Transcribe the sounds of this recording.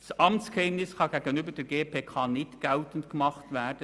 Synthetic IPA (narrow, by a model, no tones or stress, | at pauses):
sʔɑmt͡skɛmnɪskʰɑɡeːɡənyːbəd̥ɛːɾɡeːpʰeːkʰɑːnɪtɡ̥ɛltən̩tɡ̥əmɑχtvɛd̥ə